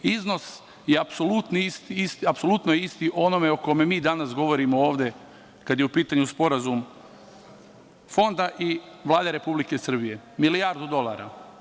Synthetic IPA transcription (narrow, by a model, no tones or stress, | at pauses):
izno̞s | jeapso̞lut̪niist̪iist̪apsolut̪nojeist̪iʔo̞no̞me̞oko̞me̞miːd̪anasɡo̞ʋoɾimooːʋd̪e̞ | kad̪jeupiːt̪aɲuspo̞ɾazum | fo̞nd̪aʔi | ʋlˠaːd̪eɾe̞publike̞sr̩bije̞ | milijaɾd̪ud̪o̞lˠaɾa̰